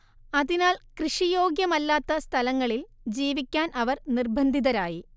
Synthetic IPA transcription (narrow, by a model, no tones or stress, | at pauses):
ɐðinaːlkrɨʂijo̞ːɡjɐmɐlːaːt̪ːɐst̪ʰɐlɐŋːɐɭil | d͡ʑiːʋikʲːaːnʔɐʋɐrnirbʱɐnd̪ʱiðɐɾaːji